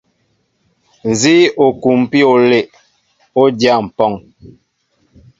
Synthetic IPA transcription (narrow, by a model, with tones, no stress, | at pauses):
n̩˨zi˦o˨ku˨m˨pi˦o˨le˨ʔ | o˦dja˦˨m̩˨pɔ˦˨ŋ